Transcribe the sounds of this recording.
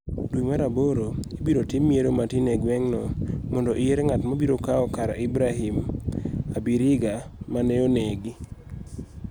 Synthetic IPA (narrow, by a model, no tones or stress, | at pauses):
dwimaɾaboɾoibiɾotimːieɾomatineɡwɛŋnɔmɔndoʔɪeɾeŋatmabiɾokaɔkaɾa̰ʔɪbɾaɦim | abiɾɪɡamaneoneɡi